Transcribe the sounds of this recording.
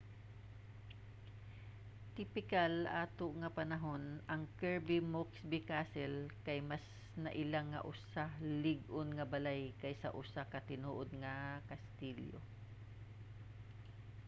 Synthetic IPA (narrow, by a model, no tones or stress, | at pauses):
t̪ɪpɪkalʔaːt̪oʔŋɐpɐnɐɦonʔɐŋkɛɹbɪmoksbɪkasɛlkajmas | nɐʔɪlaŋːɐ̰ʔʊsalɪɡonŋɐbalajkɐjsɐ̰ʔʊsakɐt̪ɪnuːʔod̪̚ŋɐkɐst̪iljo̰